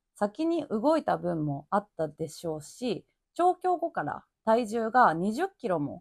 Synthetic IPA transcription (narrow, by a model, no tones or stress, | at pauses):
sakʲiɲ̟iʔɯ̟ɡo̞it̪abɯ̟̃mːo̞at̪ːad̪e̞ɕo̞ːɕi | t͡ɕo̞ːkʲo̞ːɡo̞kaɾa̰ | t̪aiʑɨːɡaɲ̟iʑɨkʲːiɾo̞mo̞̰